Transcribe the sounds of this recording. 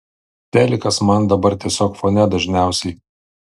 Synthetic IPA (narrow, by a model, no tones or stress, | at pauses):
t̪ʲæːlʲɪkɐsmɐnd̪ɐbɐɾt̪ʲiɛsʲoːkfoːnʲɛd̪ɐʒʲnʲæˑʊsʲɛɪ